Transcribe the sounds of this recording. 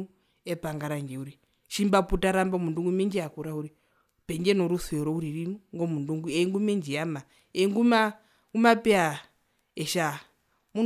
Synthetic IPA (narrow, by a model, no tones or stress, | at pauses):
u | epaŋɡaɾaŋɡeuɾi | ʃimbaputaɾambamunduŋɡumend͡ʒiakuɾauɾi | peŋɡenoɾuseɾouɾirinuŋɡomunduŋɡueŋɡumend͡ʒijama | eŋɡuma | ɡumapea | eʃa | mu